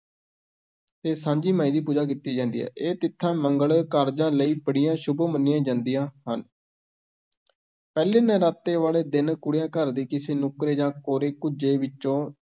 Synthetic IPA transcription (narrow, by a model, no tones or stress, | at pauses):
t̪eːsãːɲd͡ʒiːmaːĩːd̪iːp̬uːd͡ʒaːk̬it̪iːd͡ʒãːnd̪iːɛ̰ːʔeːt̪ɪt̪ʰːãːməŋɡəɭkəɾd͡ʒãːləiːpəɽɪjãːʃʊbomənːɪjãːd͡ʒãːnd̪ijãːhən | pɛːleːnəɾaːt̪ːeːʋaːleːd̪ɪnkʊɽjãːkəɾd̪iːkɪseːnʊkɾeːd͡ʒãːkoːɾeːkʊd͡ʒeːʋɪt͡ʃːõː